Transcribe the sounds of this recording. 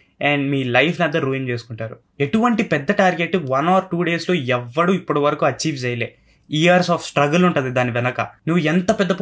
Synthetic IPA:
ɛːɳɖmiːlɐjpʰnɐd̪ːɐɾuːint͡ʃeːsu̥kuɳʈaːɾu | eʈuʋɐɳʈipɛd̪ːɐʈaːɾɡeʈːʋɐnaːɾʈuːɖe̞ːslo̞ːɛʋːɐɽuːipːuɽuʋɐɾɐkuɐt͡ʃːiːʋd͡ʒɐjɐleː | ijɐɾsaːpsʈɾɐɡɐluɳʈund̪id̪aːniʋɛnɐkɐnuʋːuɛnt̪ɐpɛd̪ːɐp

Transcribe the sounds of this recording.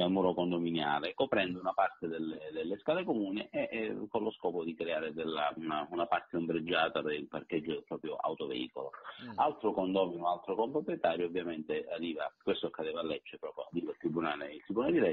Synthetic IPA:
almuɾokond̪ominjaːlekopɾɛnd̪ounapart̪ed̪elːed̪elːeskaːlekomuːniʔekonloskɔːpod̪ikɾeaːɾed̪elːa̰unaunapart̪eombɾed͡ʒːaːt̪ad̪elpark̟ɛd͡ʒːod̪elpɾɔːpɾjo̰ʔa̰wt̪ovḛḭːkolo̰alt̪ɾokond̪ɔːminoalt̪ɾokompɾopɾjet̪aːɾjovːjament̪earːiːvakwest̪oakːad̪ɛːvaːlːɛt͡ʃːepɾɔːpɾjoa̰rːiːvailt̪ːɾibunaːleilt̪ɾibːunald̪ilɛ

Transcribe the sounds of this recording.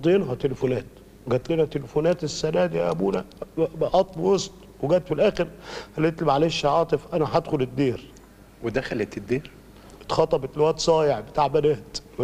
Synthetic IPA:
d̪ˤjenɦɑt̪elefonæːt̪̚ | ɡæːt̪liːnæt̪elefonæːt̪esːænæːd̪ijæ̰ʔæbṵːnæʔɑt̪ˤlwosˤt̪ˤ | weɡæːt̪filʔæːxeɾhælet̪lebʕaleːʃːɑʕɑːt̪ˤefʔænæħæd̪xoled̪ːiːɾ | wed̪æxælet̪ed̪ːiːɾ | t̪xɑt̪ˤɑbet̪lwæʔt̪sˤɑːjeʕbet̪aːʕbænæːt̪

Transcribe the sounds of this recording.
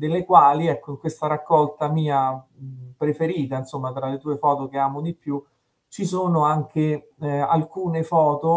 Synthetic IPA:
d̪elːekwaːliɛkːoiŋkwest̪aɾakːɔlt̪amiːa | pɾefeɾiːt̪ainsomːat̪ɾalet̪uːefɔːt̪ok̟eaːmod̪ipːju | t͡ʃisoːnoaŋkʰe | alkuːnefɔːt̪o

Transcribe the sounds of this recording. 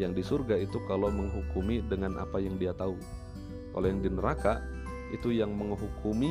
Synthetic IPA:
jaŋdisurɡait̪ukaloməŋɦukumidəŋanʔa̰pajaŋdiat̪au | ka̰lojaŋdinəɾaka | it̪ujaŋməŋɦukʰumi

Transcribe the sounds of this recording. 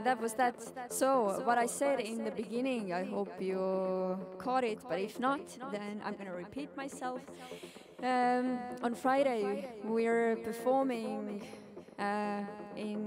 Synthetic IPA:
ðət̚wʌzðɨt | soʊwʌɾaɪsɛɾɪ̃nðɨbɨɡɪ̃nɪ̃ŋaɪɦoʊpʰjə | kʰɔɾɪt̚b̥ʌɾɪfnət̪ðɨ̃nʔã̰ɪ̃mɡʌnɨɹɨpʰit̚maɪsɛlˠf | ə̃nfɹaɪɾeɪwɪə˞pʰə˞fɔɹmɪ̃ŋ | ʔɪ̃n

